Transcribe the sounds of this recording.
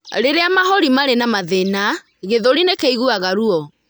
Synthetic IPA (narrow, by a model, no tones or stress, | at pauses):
ɾeɾeamaɦɔɾimaɾenamaðena | ɣeðoɾinekeiɣuaɣaɾuɔ